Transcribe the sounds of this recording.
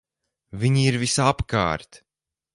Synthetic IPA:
viɲiiɾvisapka̰ːɾt̪

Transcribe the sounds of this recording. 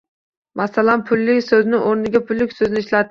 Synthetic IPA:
mʔasalanpʰʊlːɪkʲsɵznɪʔoɾnɪɡʲapʰʊlːɪkʲsɵznɪʃlat̪

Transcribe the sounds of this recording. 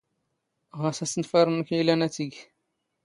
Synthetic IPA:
ʁæsæsənfæɾˤənəkilænæt͡sːiɡ

